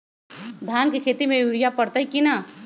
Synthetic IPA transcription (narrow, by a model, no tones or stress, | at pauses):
d̪ʱjaːnkekʰeːt̪imẽjuɾijapɐɽt̪aɦikina